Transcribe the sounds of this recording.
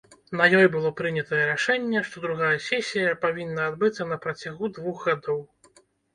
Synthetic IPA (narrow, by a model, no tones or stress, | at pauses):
nɐjɔjbɨlˠɔpɾɨnʲɛt̪ɐjɛɾaʂɛnʲːɛʂt̪ɔd̪ɾuɣajɛsʲɛsʲijɐpavʲinːɐːd̪bɨt̪sːɐnɐpɾɐt͡sʲaɣud̪vuɣɣad̪ɔw